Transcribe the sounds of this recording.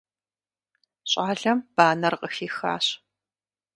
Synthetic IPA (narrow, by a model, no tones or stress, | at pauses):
ɕʼaːɮɐmb̥aːnɐrqəxiːxa̰ːɕ